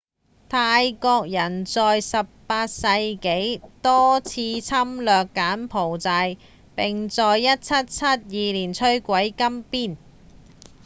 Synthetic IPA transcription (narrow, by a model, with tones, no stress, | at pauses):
t̪ʰaː˧jkɔː˧k̚jɐ˨˩nt͡sɔː˨˧jsɐ˨p̚paː˧t̚sɐ˧jke˨˥jt̪ɔː˥t͡sʰiː˧t͡sʰɐ˥mlœː˨kːaː˨˥npʰo˨˩wt͡sɐ˧j | pɪ˨ŋt͡sɔː˨˧jːɐ˥t̚t͡sʰɐ˥t̚t͡sʰɐ˥t̚jiː˨liː˨˩nt͡ʃʰɵ˥ɥkʷɐ˨˥jkɐ˥mpiː˥˩n